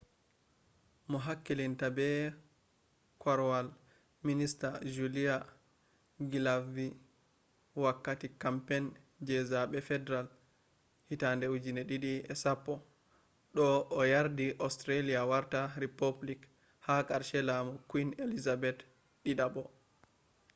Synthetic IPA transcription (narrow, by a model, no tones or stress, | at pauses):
mɔɦakːilintabɛ | kaɾwal | ministad͡ʒulia | ɡilavi | wakːatikampɛn | d͡ʒɛzaɓɛfɛdɛɾal | hitandɛud͡ʒinɛɗiɗiɛsapːɔ | ɗɔːjaɾdiʔɔstɾaliawaɾtaɾipoblik | hakaɾʃɛlamɔkwinelizabɛt | ɗiɗabɔ